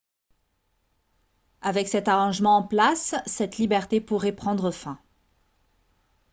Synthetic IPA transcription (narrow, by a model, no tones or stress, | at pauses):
avɛksɛt̪aʁɑ̃ʒmɑ̃ɑ̃plasːɛt̪libɛʁt̪epuʁɛpχɑ̃d̪ʁəfɛ̃